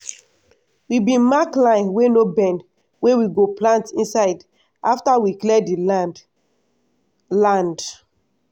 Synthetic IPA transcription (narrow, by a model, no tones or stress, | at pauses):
wibĩmaklãɪ̃nwenobɛ̃nd | wewiɡoplãntĩnsaɪd | ʔaftawiklɛdi | lãnd